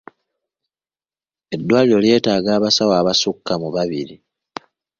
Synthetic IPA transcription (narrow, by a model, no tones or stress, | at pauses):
e̞dːwaːliɾo̞lje̞ːtaːɡaːβasawaːβasukːamuβaβiɾi